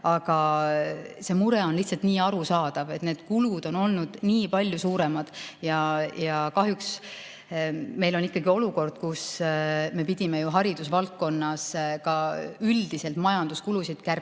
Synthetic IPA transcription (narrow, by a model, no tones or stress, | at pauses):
ɑɡ̥ɑ | se̞ːmuɾeo̞nliçt̪sɑlt̪niːɑɾusɑːd̪̥ɑve̞t̪ned̪̥kulud̪̥o̞no̞lnud̪̥niːpɑlʲjusuːɾe̞mɑd̪̥jɑjɑkɑɦjuks | me̞jlo̞nikːˑɑɡio̞luko̞rd̪̥̚kusme̞pid̪̥ʲime̞juɦɑɾid̪̥usvɑlt̪̚kːo̞nːɑskɑyld̪̥ise̞lt̪mɑjɑnd̪̥uskulusid̪̥kærp